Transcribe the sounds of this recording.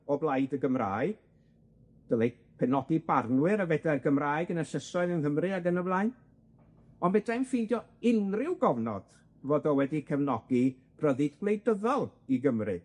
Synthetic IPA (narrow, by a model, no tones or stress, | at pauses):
ɔblˠajdəɡəmra̰ːɨ | d̥əle | pʰɛnɔdibarnwɨɾəvɛdɛrɡəmraːjɡənəsəsɔɨðənhəmrɨaɡənəblˠajn | ɔnbɛdajmfɪjndjɔɪnrɪwɡɔvnɔ̰d̥ | voːdɔwɛdikʰəvnɔɡi | pʰrəðɨdɡlˠejdəðɔlˠiɡəmrɨ